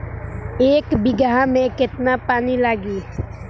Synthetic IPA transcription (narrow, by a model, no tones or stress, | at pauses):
eːkbɪɡɦãmẽkɪt̪napaːnilaːɡiː